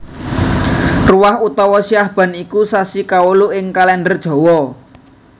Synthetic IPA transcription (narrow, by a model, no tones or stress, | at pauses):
ruwahut̪ɔwɔsiahb̥a̤nikusasikauluʔɪŋkalɛndərd̥ʒ̥ɔ̤wɔ